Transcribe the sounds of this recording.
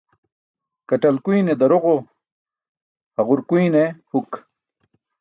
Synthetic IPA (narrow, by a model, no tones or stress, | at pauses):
kɐʈɐlkujned̪ɐɾoʁo | hɐʁuɾkuinehuk